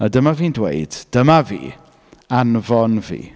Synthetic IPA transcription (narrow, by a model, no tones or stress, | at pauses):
ədəmaviːndwḛɨd̥d̥əmavḭː | anvɔnvḭː